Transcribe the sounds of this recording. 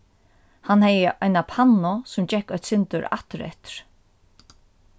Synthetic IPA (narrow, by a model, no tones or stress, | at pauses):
hanhɛjəʔajnapʰanːɔsʊmt͡ɕɛhkːœjt̪sɪnt̪ʏɾa̰ht̪ɾɛ̰t̪ɾ̥